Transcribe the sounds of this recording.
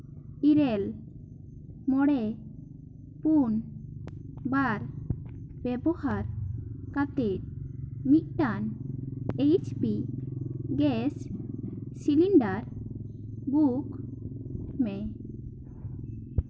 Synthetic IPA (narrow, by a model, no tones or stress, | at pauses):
iɾɛl | mɔɽɛ | pun | baɾ | b̥ɛbɔhaɾkat̪ɛt̪̚mit̪̚ʈan | ejt͡ʃpi | ɡɛs | siliɳɖaɾ | buk | mɛ